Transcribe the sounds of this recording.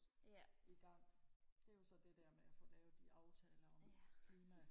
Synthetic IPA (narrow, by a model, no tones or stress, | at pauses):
iɡ̥ɑ̈ŋ̰d̥e̝æɐjo̝sɒ̽d̥e̝d̥æɐ̰meæfɔ̽ːlɛːʊd̥iʔɑ̈ʊt͡sʰɛːlɐɒ̽mkʰliːmæ